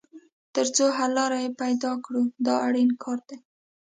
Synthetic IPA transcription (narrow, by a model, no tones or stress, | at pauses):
t̪əɾt͡soɦalɑɾajepajd̪ɑkɽud̪ɑaɽinkʰɑɾd̪̥e